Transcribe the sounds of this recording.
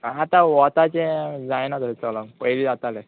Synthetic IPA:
at̪aʋɔt̪at͡ɕẽd͡zajnat̪əsɛt͡sɔlɔ̃ŋɡpəjlid͡zat̪ale

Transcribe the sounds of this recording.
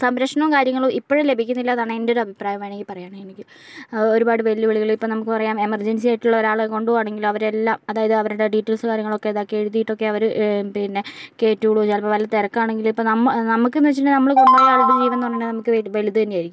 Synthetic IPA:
sɐmɾɐkʂɐɳɐmkaːɾjɐŋːɐɭoʔipːoɻele̞bʱikʲːunːilːɐaːðaːɳɨendo̞ɾɨɐbʱipraːjɐmejneŋɡilpɐrɐjaːɳenikʲːi | oɾubaːɽɨʋelðɨʋeɭiɣɐɭiipːoːnɐmukːɨpɐrɐjaːme̞mɐrd͡ʑensijaːjiʈːuɭːɐoɾaːɭeko̞ɳɖuʋaːɳe̞ŋɡilɐʋɐɾelːaːmɐðaːjɐðɨɐʋɐɾuɽe̞ɖiʈːɐlsɨkaːɾjɐŋːɐɭo̞kːe̞ɐðoːkːeeɻuðːijiʈːo̞kːe̞ɐʋɐɾɨpeːɾineke̞ːtːuɭuʋɐt͡ɕːaːlpoʋɐliːɐt̪eɾɐkːaːɳe̞ŋɡilipːoːnɐmːɐnɐmukːenːiɐt͡ɕːnɖenɐmːɐɭkumbaːjaːɭuɡut͡ɕejʋenːuɐɳɖenːɨnɐmukːɨeʋelit̪ːɨðɐnːejaːjiɾikʲːum

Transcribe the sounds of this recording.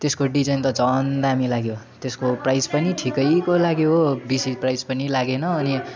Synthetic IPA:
t̪eskoɖid͡zʌjnt̪ʌd͡zʌnd̪aɦamilaɡjo | t̪eskoprajspʌniʈʰikʌjkolaɡjoɦobisiprajspʌnilaɡenʌːni

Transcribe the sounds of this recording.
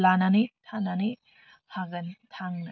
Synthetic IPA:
lananit̪ʰanani | haɡɐnt̪ʰaŋnɐ

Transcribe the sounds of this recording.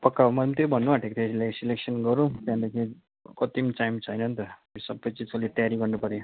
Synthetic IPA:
pʌkːaomʌmt̪jobʱʌnːumaʈʰekt̪ʰesilajsileksʌnɡʌɾũt̪jãd̪ekʰi | kʌt̪imit͡sajmt͡sʰʌjnʌnt̪ʌesʌbːʌjt͡sizkʌlet̪ʌjaɾiɡʌrnupʌɾe

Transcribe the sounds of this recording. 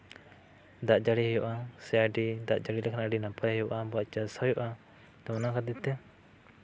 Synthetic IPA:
d̪aʔd͡ʒaɽiɦɛjɔʔasɛaɖid̪aʔd͡ʒaɽilɛkʰanaaɖinapahɛjɔʔabɔat͡ʃasajɔʔa | t̪ɔanakad̪it̪ɛ

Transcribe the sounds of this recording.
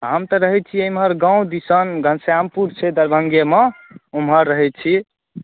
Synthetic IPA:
ɦəmt̪əɾəɦɛt̪̚t͡ʃʰiemɦəɾɡãw̃d̪isənɡʱənsjampuɾt͡ʃʰɛd̪əɾbʱəŋɡemẽ | umɦəɾːəɦɛt̪̚t͡ʃʰi

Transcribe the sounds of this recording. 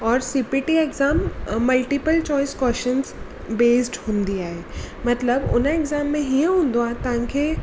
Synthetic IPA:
ɔːɾsipiʈieɡzaːmːɐlʈipəlt͡ɕɔːɪskɔːʃənz | beːsʈhũːnd̪iaːɦeːmɐt̪ləbʊ̰neɡzaːmːẽɦiə̃ɦũːnd̪oãːt̪ɐʋ̤ãkʰe

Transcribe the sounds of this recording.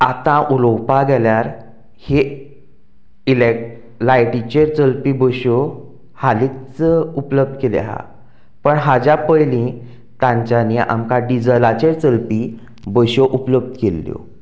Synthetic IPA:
at̪ãʔulowpaɡɛljaɾ | he | ile | lajʈit͡ɕeɾt͡səlpibəɕo | halikt͡səupləb̚d̪kelḛaɦa̰ | pəɳɦad͡ʑjapəjlĩ | t̪ãɲt͡ɕaniʔa̰mkaɖid͡zəlat͡ɕeɾt͡səlpi | bəɕoʔupləb̚d̪kelːjo̰

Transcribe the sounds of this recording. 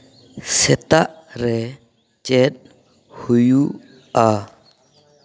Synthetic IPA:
sɛt̪aʔɾɛ | t͡ʃɛt̚ | huju | ʔa

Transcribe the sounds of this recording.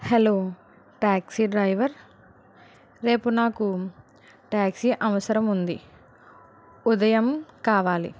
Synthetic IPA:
heloː | ʈaːksiɖɾɐjʋɐɾ | ɾe̞ːpunaːku | ʈaːksiʔɐʋɐsɐɾɐmund̪ḭ | ud̪ɐjɐmkaːʋaːlḭ

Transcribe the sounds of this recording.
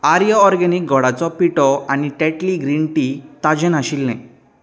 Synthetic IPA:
aɾijəːɾɡɛnik̚ɡʱɔɽat͡sɔpiʈɔaniʈɛʈliɡɾiɳʈit̪ad͡ʑənaɕilnɛ̰̃

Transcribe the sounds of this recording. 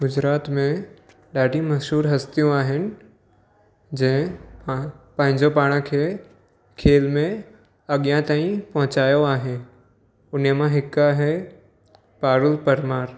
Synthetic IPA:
ɡʊd͡ʑɾaːt̪mẽ | ɗaːɖʱimɐzuːɾɦɐst̪ijũaːɦɪnɪ̆ | d͡ʑɐ̃ɦɪ̃ | pɐ̃ɦɪ̃ɲd͡ʑopaːɽ̃kʰe | kʰeːlmẽ | ɐɠijãt̪aːĩpɐɦʊ̃t͡ɕaːjoaːɦe | ʊnəmãɦɪkaɦɛ | paːɾʊlpɐɾmaːɾ

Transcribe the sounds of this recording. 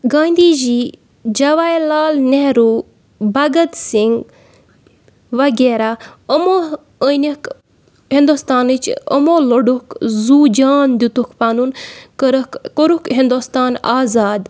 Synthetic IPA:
ɡaːnd̪iːzi | d͡ʒɐʋaːjlaːlneɾu | bɐɡɐt̪siŋɡ | ʋɐɡeːɾaəmo | ənik | ɦind̪ust̪aːnɨt͡ʃə̰moloɖukzuːd͡ʒaːnd̪it̪ukpanunkɾkkoɾukɦind̪ost̪aːnaːzaːd̪

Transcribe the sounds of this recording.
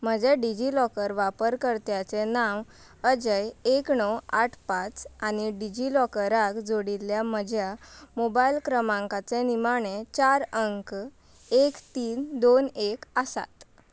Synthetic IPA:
m̤əd͡ʑeɖid͡ʑilɔkəɾʋapəɾkəɾt̪jat͡senaʋ | əd͡ʑəjeknɔwaʈʰpat͡sañiɖid͡ʑilɔkəɾakd͡zoɽiljaməd͡ʑʱjamobailkɾəmãŋkat͡senimaɳ̃et͡ɕaɾəŋk | ekt̪iːnd̪onekəsa̰t̪

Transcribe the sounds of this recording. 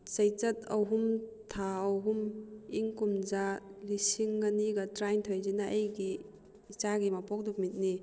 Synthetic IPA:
sɐjt͡ʃɐtɐ̰wɦum | tʰaɐwɦumiŋkumzalisiŋːaniɡɐtɾajntʰojzinaʔɐjɡiː | t͡ʃaɡimapɔk̚duk̚mit̚ni

